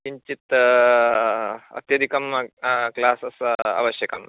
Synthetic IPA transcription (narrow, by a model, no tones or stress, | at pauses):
iɲt͡ɕit̪ | ɐ̰t̪jɐd̪ʱikɐmklaːsɐsa̰ʋɐɕjɐkɐm